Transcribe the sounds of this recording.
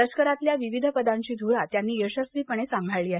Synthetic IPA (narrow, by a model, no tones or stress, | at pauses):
ət͡ɕkəɾat̪ljaʋiʋid̪ʱəpəd̪ãɲt͡ɕiːd̪ʱuɾat̪janːiːjəɕəsʋiːpəɳ̃esãmbʱaɭliːaɦ